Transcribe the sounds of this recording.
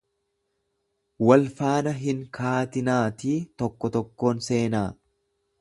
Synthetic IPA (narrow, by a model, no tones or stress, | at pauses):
wɐlfaːnɐɦɪŋkʰaːt̪ɪnaːt̪iːt̪ɔkːɔt̪ɔkːo̞ːnse̞ːnaː